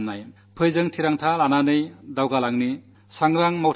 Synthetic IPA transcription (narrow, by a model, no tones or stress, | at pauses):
mnaj | pʰɯjzɯŋtʰiɾaŋtʰalananɯjdawɡalaŋni | saŋɾaŋmawt